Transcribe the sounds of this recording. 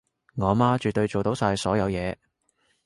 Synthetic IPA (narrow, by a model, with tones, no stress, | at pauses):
ŋɔː˨˧maː˥t͡ʃyː˨t̪̚ːɵ˧ɥt͡ʃo˨wt̪o˨˥wsaː˧jsɔː˨˥jɐ˨˧wjɛː˨˧